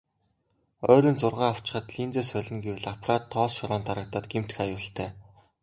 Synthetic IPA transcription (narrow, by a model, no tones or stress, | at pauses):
œːɾiːnt͡sʊrʁaːaw̥t͡ɕɪ̥̆χə̆t̪ɮiːnt͡seːsœɮʲɪ̆ŋɡewɮapʰrat̪ʰːɔːsʃɔɾɔːnt̪aɾə̆k̚t̪aːt̪̚ɡem̥t̪ɘ̆xajʊːɬt̪ʰæː